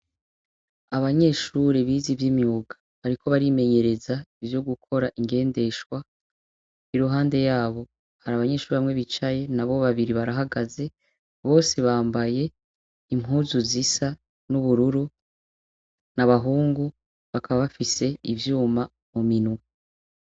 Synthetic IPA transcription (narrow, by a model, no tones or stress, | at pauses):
aβaɲe̞ːʃuːɾiβiːzivjimjuːɡḁ | βaɾiko̞βaɾime̞ɲe̞ɾe̞zaivjo̞ɡukʰo̞ɾaʔiŋɡe̞ːnde̞ʃkwa | iɾuɦaːnde̞jaːβo̞ | haɾaːβaɲe̞ːʃuːɾiβaŋe̞βit͡ʃaje̞naβo̞βaβiɾiβaɾaɦaɡaze̞ | βo̞ːse̞βaːmbaje̞ | imɦuːzuzisa | nuβuɾuɾu | naβaɦuːŋɡu | βakʰaβaβafise̞ivjuːma | muminuu